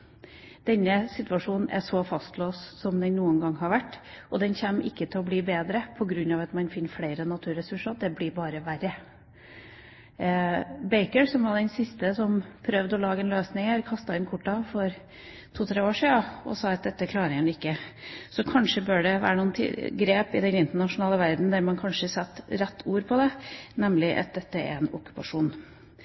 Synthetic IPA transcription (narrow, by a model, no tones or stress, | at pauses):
d̪̥ɛnːəsɪt̪ʉɑʂuːnn̩ʔæ̰ʂɔfɑst̪loːssɔmd̪ɛnnuːənɡɑŋːhɑɾʋæʈːʔɔd̪ɛnçɛmːɪ̰kːət̪ʰɪlɔbliːbeːd̪ɾəpʰɔɡɾʉnːɑʋɑt̪mɑnfɪnːəfleɪɾənɑt̪ʰʉːɾɛsʉʂɑd̪ɛblɪɾbɑːɾəʋæɾːə | bɛɪkəɹsɔmʋɑd̪ɛnsɪst̪əsɔmpʰɾœʋd̪ɔlɑːɡəɛnløːsnɪŋəɾkʰɑst̪ɑɪnkʰʊʈːɑfɔɾ | t̪ʰuːt̪ʰɾeːoːʂiːɑɔ̰sɑːɑt̪̚d̪ɛt̪ːəkʰlɑːɾɪŋənɪkːəsɔkʰɑnʂəbøːɖɛʋæ̰ːɾəɳuːnt̪ʰɪ̰ɡɾeːpɪ̰d̪ɛnɪnt̪əɳɑʂʊnɑːləʋæɾd̪n̩d̪æɾmɑnkʰɑnʂəsɛt̪ːɾæt̪ːuːɾpʰɔd̪ɛnɛmlɪʔɑ̰t̪̚d̪ɛt̪ːəɛ̰ɾɛnɔ̰kʉ̥pɑʂuːn